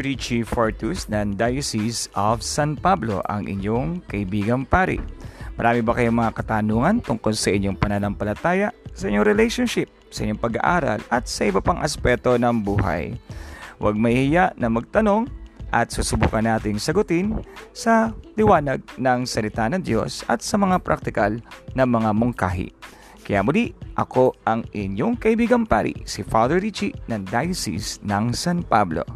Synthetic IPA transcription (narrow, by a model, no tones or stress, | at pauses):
ɹit͡ʃifoɹt̪usnɐŋd̪ajɐsisʔofsanpablo̞̰ʔɐ̰ŋʔɪ̰ɲjoŋkɐʔɪbiːɡɐŋpaːɾɪ̰mɐɾʔaːmɪbɐkɐjoŋmɐŋakɐt̪aːnuŋɐnt̪ʊŋko̞lsɐʔɪɲːoŋpɐnɐnɐmpɐlɐt̪aːjɐsɐʔɪɲoŋɾɛlɛjʃonʃɪp̚sɐʔɪ̰ɲoŋpɐɡa̰ʔaːɾɐ̰lɐt̪̚sɐʔɪbɐpaŋʔɐspɛt̪o̞nɐŋbuːɦɐ̰j | wɐ̰ɡ̚mɐɪjaʔnɐmɐɡ̚t̪ɐno̞ŋʔɐt̪̚susʊbṵːkɐnːaːt̪ɪŋsɐɡʊt̪ɪnsɐlɪwaːnɐɡ̚nɐŋsɐlɪt̪anɐŋd̪jo̞̰sɐ̰t̪̚sɐmɐŋapɾʔa̰k̚t̪ɪkɐlnɐŋmɐŋamʊŋka̰ːɦɪ̰ | kɐja̰ːmʊliʔʔɐko̞ʔɐŋʔɪɲjoŋkɐʔɪbiːɡɐŋpaɾḭsɪfad̪ɛɹɹit͡ʃinɐŋd̪ajsḭsnɐŋsanpablo̞̰